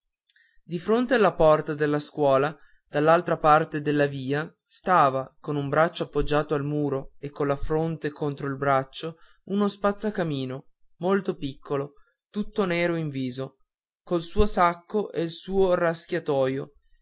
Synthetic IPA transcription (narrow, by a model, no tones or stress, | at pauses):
d̪ifɾont̪ealːapɔrt̪ad̪elːaskwɔːla | d̪̥alːalt̪ɾapart̪ed̪elːaviːa | st̪aːvakonumbɾat͡ʃːoapːod͡ʒːaːt̪oalmuːɾoekːonlafɾont̪ekont̪ɾoilbɾat͡ʃːo | unospat̪sːakamiːno | molt̪opikʰːolo | t̪ut̪ːonɛːɾoiɱviːzo | kolsuːosakːoʔelsuːoraskʲjat̪ɔːjo